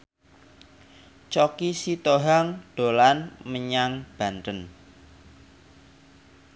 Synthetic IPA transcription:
t͡ʃɔkisit̪oɦaŋɖ̥o̤lanməɲaŋb̥a̤nt̪ən

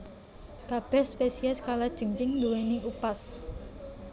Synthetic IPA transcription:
kab̥ɛhspesiɛskalad̥ʒ̥ə̤ŋkɪŋnd̪uweniupas

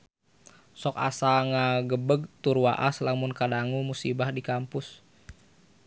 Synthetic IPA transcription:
sɔka̰saŋaɡəbəɡ̚t̪urwa̰ʔaslamʊnkadaŋumusibahdikampʊs

